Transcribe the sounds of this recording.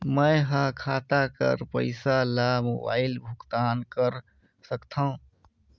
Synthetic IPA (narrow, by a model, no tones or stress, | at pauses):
məjɦə̃kʰaːt̪akə̰ɾpə̰ɪsalamo̰ba̰ːɪlbʱʊkt̪aːnkəɾ | səkt̪ʰaũ